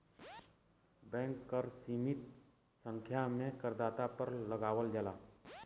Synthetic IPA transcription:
bɛ̃ːŋkːəɾsiːmɪt̪ | sə̃ŋkʰjamekəɾd̪aːt̪apəɾləɡaːʋəld͡ʒalaː

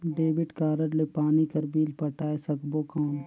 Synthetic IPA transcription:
ɖeːbɪʈkaːɾəɾlepaːnikɐɾbiːlpɐʈaːesɐkboːkaːn

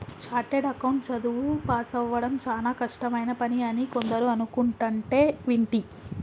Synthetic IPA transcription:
t͡ʃaːɾʈeɖɐkɐwɳʈt͡ʃɐd̪uʋupaːsɐʋːɐɽɐmt͡ʃaːlaːkɐʂʈɐmɐjnɐpɐniɐnikond̪ɐɾuɐnukuɳʈɐɳʈe̞ːʋiɳʈi

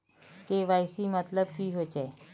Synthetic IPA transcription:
keʋaːɪsimɐt̪ləbkiɦot͡ʃe

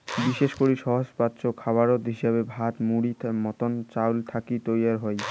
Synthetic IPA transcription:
biʃeʃkoɾiʃɔɦod͡ʑpat̪ːɕokʰaβaɾot̪ɦiʃeβebʱat̪muɽimɔt̪ont͡ɕawlt̪ʰakit̪ojaɾɦɔj

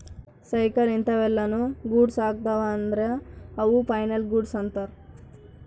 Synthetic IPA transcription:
sɐjkɐlint̪ɐʋɛlːɐnuɡuːɖsaːɡ̚t̪ɐʋaːnd̪ɾeɐʋupɐjnɐlɡuɖsɐnt̪ɐɾ

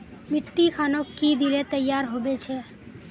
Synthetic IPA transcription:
mɪʈːikʰaːnokid̪ilet̪əjːaːɾɦobet͡ʃʰɛ

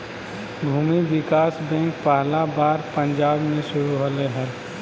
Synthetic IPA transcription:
bʱuːmiʋɪkaːsbɛ̃ːŋk̚paɦlabaːɾpə̃ɲd͡ʒaːbmẽʃʊɾuɦoleɦɛl

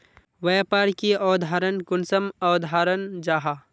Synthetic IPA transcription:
ʋɐjpaːɾkiɔːd̪ʱaːɾənkʊnsəmɔːd̪ʱaːɾənd͡ʒaːɦa

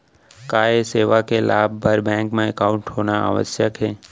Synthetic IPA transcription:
kaːeseːʋakela̰ːb̚ːʱəɾbɛ̃ːŋkmẽekaʊ̃ɳʈɦoːnaa̰ʋə̰sjəkɦeː

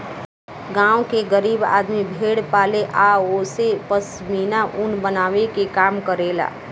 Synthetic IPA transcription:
ɡãːwkeɡəɾiːba̰ːd̪mibʱeːɽpaːleʔaːoːsepəs | miːnaʔʊnbənaːʋekekaːmkəɾeːla̰ː

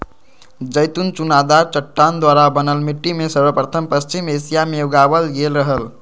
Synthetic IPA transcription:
d͡ʒəjt̪unt͡ʃunad̪aɾt͡ʃəʈːand̪waɾabənəlmiʈːimesəɾbəpɾət̪ʰəmpəst͡ʃimesijamejoɡabəlɡelɾəɦəl

